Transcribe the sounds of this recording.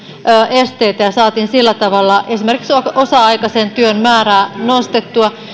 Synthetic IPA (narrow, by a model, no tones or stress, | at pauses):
øːʔest̪eit̪æjɑsɑːt̪iːnsilːæt̪ɑʋɑlːɑʔesime̞rkiksoosɑɑikɑsent̪yønmæːræːnost̪et̪ːuɑ